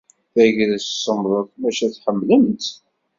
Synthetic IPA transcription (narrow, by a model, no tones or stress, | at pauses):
θæʝɾæssˤːəmðˤəðmæʃæθħəmːləmt̪